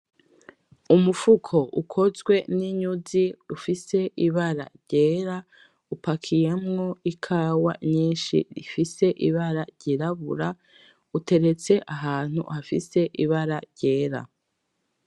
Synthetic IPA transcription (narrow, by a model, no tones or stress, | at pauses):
umufukʰo̞ʔukʰo̞zɡwe̞niɲuziufise̞ʔiβaɾa̰ɾɟe̞ːɾa | upakʰije̞mŋo̞ikʰaːwa̰ɲiːnʃḭɾḭfise̞ʔiβaɾaɾɟiɾaβṵɾa | ute̞ɾet͡se̞ʔaɦaːn̥hṵhafise̞ʔiβaɾaɾɟe̞ːɾa̰